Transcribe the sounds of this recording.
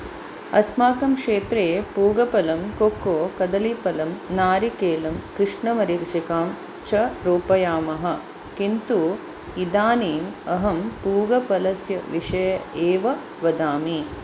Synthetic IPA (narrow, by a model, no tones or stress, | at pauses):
ɐ̰smaːkɐmkʂeːt̪ɾeːpuːɡɐpɐlɐmkoːkːoːkɐd̪ɐlipɐlɐmnaːɾikeːlɐmkɾɪʂɳɐmɐɾikʂikaːm | t͡ʃɐɾuːpɐjaːmɐɦɐ̆ | kint̪u | id̪aːniːmɐɦɐmpuːɡɐpɐlɐsjɐʋiʂɐjɐeːʋɐ | ʋɐd̪aːmi